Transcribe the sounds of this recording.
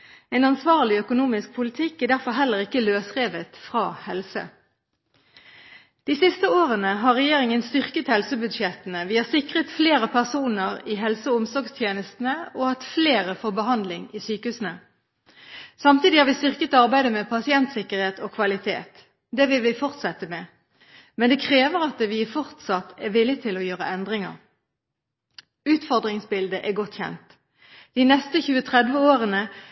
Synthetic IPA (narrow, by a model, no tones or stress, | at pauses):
ɛɪnɑnsʋɑːʁlɪœkʊnuːmɪsk̚pʰʊlɪt̪ʰɪkːæd̪æʁfɔʁɦɛlːəʁɪkːəløːsʁeːʋət̪fʁɑːhɛlsə̰ | d̪̥iːsɪst̪əoːʁənəɦɑːʁɛjeːʁɪŋənst̪ʏʁkət̪hɛlsəbʉd̪ʃɛt̪ənəʋiːəsɪkʁət̪fleːʁəpʰæʁsuːnəʁiːɦɛlsəʊmsɔʁɡst̪ʰjeːnəst̪n̩əoːhɑt̪fleːʁəfoːbəhɑnd̪lɪŋiːsyːkəhʉːsnə | sɑmt̪iːd̪ɪhɑːʁʋɪst̪ʏʁkət̪ɑʁbæɪd̪əmɛpʰɑsɪɛnt̪sɪkːəʁheːt̪oːkʰʋɑlɪt̪ʰḛːt̪ | d̪ɛʋɪlʋɪfɔʁt̪sɛt̪əmɛː | mɛnd̪ɛkʰʁeːʋəʁɑt̪̚d̪ɛʋɪfɔʁt̪sɑt̪ɛʋɪlːɪt̪ʰɪlɔjøːʁəʔɛnd̪ʁɪŋə̰ʁ | ʉːt̪fɔʁd̪ʁɪŋsbɪld̪əʔæɡɔt̪ːçɛ̰nt̪ | d̪̥iːnɛst̪əçʉːət̪ʰʁɛd̪ʋəoːʁənə